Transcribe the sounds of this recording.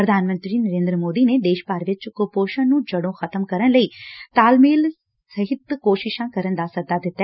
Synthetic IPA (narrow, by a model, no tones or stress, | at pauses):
pɾəd̪ʱaːnmə̃nt̪ɾiːnəɾẽːnd̪ɾəmoːd̪iːned̪eːʃpaːɾʋɪt͡ʃkopoːʃãːnũːd͡ʒɐɽõːxʰɐt̪əmkɐɾənləiːt̪aːlmiːl | sɐɦɪt̪koːʃɪʃãːkɐɾənd̪aːsɐd̪aːd̪ɪt̪ːa